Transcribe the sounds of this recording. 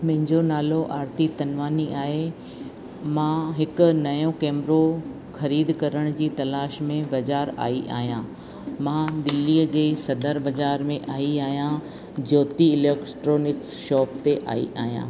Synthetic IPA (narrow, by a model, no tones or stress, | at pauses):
mɐ̃ɦɪ̃ɲd͡ʑonaːloʔaːɾt̪it̪ɐnʋaːniʔaːɦe | mãːɦɪkʊ̆nɐjõkeːmɾo | xɐɾiːd̪kɐɾəɽ̃d͡ʑiːt̪ɐlaːʃmẽbɐd͡ʑaːɾa̰ːiʔa̰ːɦijã | mãːd̪ɪlːiːəd͡ʑeːsɐd̪ʱəɾbɐzaːɾmẽʔaːiaːɦijã | d͡ʑɔːt̪iɪleːkʈɾoːnɪksʃɔːpt̪eʔa̰ːḭʔaːɦijã̰ː